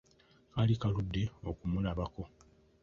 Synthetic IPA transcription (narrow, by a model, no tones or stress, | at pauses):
kalikaludːe̞o̞kumulaβako̞